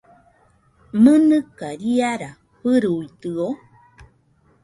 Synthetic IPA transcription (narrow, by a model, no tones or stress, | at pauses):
mɨnɨkaɾiaɾa | ɸɨɾuit̪ɨo